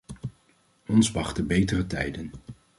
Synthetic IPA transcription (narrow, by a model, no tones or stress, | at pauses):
ɔnsʋɑχtəbejtərətɛ̰jdən